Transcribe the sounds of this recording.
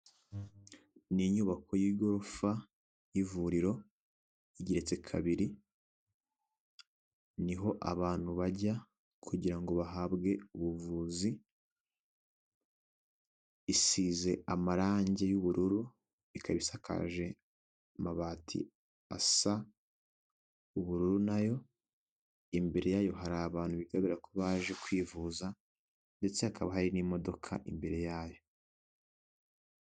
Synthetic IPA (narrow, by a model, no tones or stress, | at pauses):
niɲuːβakʰo̞jiːɡo̞ɾofa | jivuɾiɾo̞ | iɟiɾe̞t͡se̞kʰa̰βiɾi | niɦo̞ʔa̰βaːn̥huβaɟa | kʰuɟiɾaŋɡo̞βaɦabɡe̞uβuvuːzi | isiːze̞amaɾaːɲɟe̞juβuɾuɾu | ikaβisakʰa̰ʒe̞ | maβaːtʰḭ | a̰sa | uβuɾuɾunajo̞ | imbe̞ɾe̞jaːjo̞ɦaɾaːβaːn̥huβiɡaβiɾakoβaːʒe̞kwiːvuːza | nde̞t͡se̞hakaβaɦaɾinimo̞do̞kʰa̰ʔimbe̞ɾe̞jaːjo̞